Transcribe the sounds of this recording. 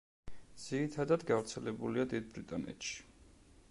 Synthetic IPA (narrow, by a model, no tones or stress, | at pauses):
d̪z̥iɾit̪ʰad̪ad̪ɡavɾt̪sʰɛlɛbuliad̪id̪̚bɾit̪ʼanɛ̰t̪ʃi̥